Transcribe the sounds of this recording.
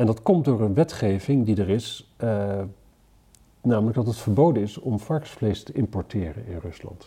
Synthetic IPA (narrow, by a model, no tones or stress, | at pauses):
ɛndɑtkɔmtdʊːɹənʋɛtχejvɪŋdidəɹɪs | naːmələkɡdɑtɦətfəɹbowdənɪsɔmfɑɹksflejstəʔɪmpɔɹtɪːrə̰nɪ̰nrɵslɑ̰nt